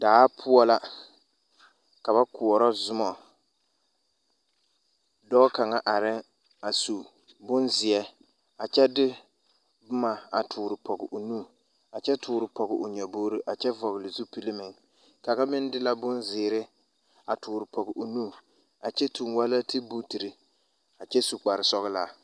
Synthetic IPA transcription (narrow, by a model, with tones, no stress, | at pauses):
daː˨˦pʰʊ˦ɔ˦la˦ | ka˨ba˦ku˨ɔ˨ɾɔ˦zʊ˦mɔ˨ | dɔ˦ka˨ŋa˦ʔa˨ɾɪ˦ | a˨su˨ | bʊ˦nzɪ˨ɛ˦ | a˨t͡ʃɛ˦dɪ˦ | bʊ˦ma˨a˨tʰuː˨ɾɪ˨pɔ˨ɡɪ˨ʔʊ˨nu˦˨ | a˨t͡ʃɛ˦tʰʊː˨ɾɪ˨pɔ˨ɡɪ˨ʔʊ˨ɲɛ˨boː˦ɾi˦ʔa˨t͡ʃɛ˦vɔ˨ɣɪ˨lɪ˨zu˦pi˦lɪ˦mɪ˨ŋ | ka˨ɣa˦mɪ˦n˦dɪ˦la˦bʊ˦nzɪː˨ɾɪ˦ | a˨tuː˨ɾɪ˨pɔ˨ɡɪ˨ʔʊ˨nu˦ | a˨t͡ʃɛ˦tʰu˨ŋwa˦la˦tʰi˦bu˦ti˨ɾi˨ | a˨t͡ʃɛ˦su˨k͡pa˨ɾɪ˨sɔ˦ɣɪ˦la˦